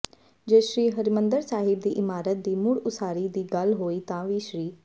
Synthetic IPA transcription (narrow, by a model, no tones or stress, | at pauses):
d͡ʒeːʃɾiːɦəɾimə̃nd̪əɾsaːɦɪb̚d̪iːʔɪmaːɾət̪̚d̪iːmʊɽʊsaːɾid̪iːɡɐlɦoːit̪ãʋiːʃɾiː